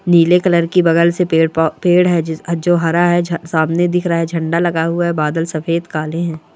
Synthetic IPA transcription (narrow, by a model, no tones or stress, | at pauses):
niːlekɐləɾkibɐɡəlsepeːɽpeːɽɦɛd͡ʒoːɦɐɾaɦɛsaːmned̪ɪkʰɾaaɦɛd͡ʒʱɐ̃ɳɖalɐɡaɦʊaɦɛbaːd̪əlsɐfʰeːd̪kaːleɦɛ̃ː